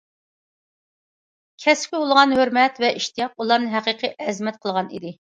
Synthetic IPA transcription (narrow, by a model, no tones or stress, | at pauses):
kʲʰɛspkʲɪolˠʁɑnhøɾmɛt̪vɛʔiʃt̪ijɑq̚ulˠɑɾnɨɦæqiqʰiʔɛzmɛt̪̚qʰəlˠʁɑnḭd̪ɪ